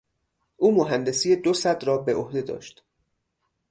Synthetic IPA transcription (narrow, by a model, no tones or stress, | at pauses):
ʔuːmoɦænd̪e̞siːjed̪osæd̪ɾɒːbeʔohd̪e̞d̪ɒ̰ːʃt̪